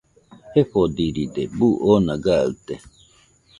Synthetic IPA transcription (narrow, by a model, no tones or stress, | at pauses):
heɸod̪iɾid̪ebuʔonaɡaɨ̰t̪e